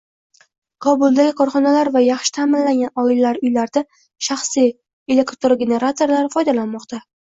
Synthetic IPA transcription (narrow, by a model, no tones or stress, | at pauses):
qʰɒbʊlˠd̪aɡʲɪkʰɒɾχɒnalaɾvajɑχʃɪ̥t̪ʰamɪnlaŋɡʲanɒɪlːaɾʊjlaɾd̪a | ʃaχsij | e̞le̞kt̪oɾɡʲe̞ne̞ɾat̪oɾlaɾɪfɒjd̪alanmɒqt̪ʰa